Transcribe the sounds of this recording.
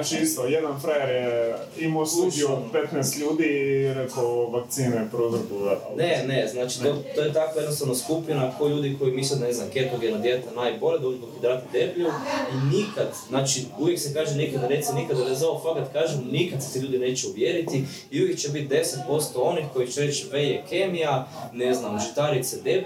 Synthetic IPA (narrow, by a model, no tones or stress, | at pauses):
at͡ʃiist̪ojed̪anfɾajeɾje | imoslˠud͡ʒiopet̪nɛːst̪ʎuːd̪iɾekoʋakt̪siːnɛpɾozɾbuat̪neneznaːt͡ʃi̥t̪ot̪oːjet̪akʋajed̪nost̪aʋnaskupinakoʎuːd̪iko̞jimislʲod̪aneznamkeɾt̪oɡienad̪jet̪enajbo̞led̪od͡ʒud̪okud̪ɾaːt̪id̪ebʎuinikad̪znaːt͡ʃiuʋjeksekaːʒenikad̪anesenikad̪adezaofaɡat̪kaːʒemnikad̪se̥t̪iʎuːd̪ine̞ːt͡ʃeuʋjeɾit̪i | iujekt͡ʃebit̪̚d̪e̞set̪̚po̞st̪oo̞nixko̞jit͡ʃeɾet͡ʃʋejekemijaneznamʒit̪aɾit̪sed̪eb